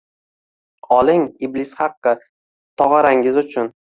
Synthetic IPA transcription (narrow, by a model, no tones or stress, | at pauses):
ɒlˠɪŋiblɪsχɑqːɨ | t̪ʰɒʁɑɾaŋɪzʊt͡ʃʰʊn